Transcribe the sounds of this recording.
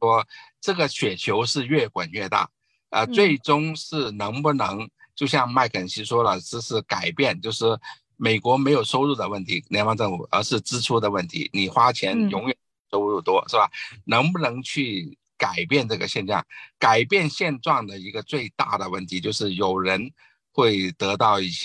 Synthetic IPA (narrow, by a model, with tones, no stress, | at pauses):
wɔ˥ʈ͡ʂɤ˥˩ɡə˩ɕʰɥɛ˨˩t͡ɕʰjo˧˥ʊʂɻ̩˥˧ɥɛ˥˩kwa˨˩nɥɛ˥˧t̪a̰˥˩ | ə̰˧t͡swe˥˩ɪʈ͡ʂʊ˥ŋʂɻ̩˥˩nɤ˧˥ŋpu˥˩nɤ˧˥ŋ | t͡ɕjo˥˧ʊɕjɑ˥˩ŋma˥˩ɪkʰə˨˩nɕi˥ʂwɔ˥lə˨ʈ͡ʂɻ̩˥˧ʂɻ̩˥˩ka˨˩ɪpjɛ˥˧nt͡ɕjo˥˧ʊʂɻ̩˥˩ | me˨˩ɪkwɔ˧˥me˧˥ɪjo˨˩ʊso˥ʊɻu˥˩d̪ə˩wə˥˩nt̪ʰi˧˥njɛ˧˥nwɑ˧˥ŋʈ͡ʂɤ˥˩ŋfu˨˩ə̰˧˥ʂɻ̩˥˩ʈ͡ʂɻ̩˥ʈ͡ʂʰu˥d̪ə˨wə˥˩nt̪ʰḭ˧˥ni˨˩xwa˥t͡ɕʰjɛ˧˥njʊ˧˥ŋɥɛ˨˩n˥˩so˥ʊɻu˥˩t̪wɔ˥ʂɻ̩˥˩ba˨˩nɤ˧˥ŋpu˥˧nɤ˧˥ŋt͡ɕʰy˥˩ | ka˨˩ɪpjɛ˥˧nʈ͡ʂɤ˥˩ɡə˩ɕjɛ˥˧nʈ͡ʂwɑ̰˥˩ŋka˨˩ɪpjɛ˥˧nɕjɛ˥˧nʈ͡ʂwɑ˥˩ŋd̪ə˩i˧˥ɡə˧t͡swe˥˧ɪt̪a̰˥˩d̪ə˩wə˥˩nt̪ʰi˧˥t͡ɕjo˥˧ʊʂɻ̩˥˩jo˨˩ʊɻə˧˥n | xwe˥˩ɪt̪ɤ˧˥t̪ɑ˥˧ʊi˥˩ɕjɛ˥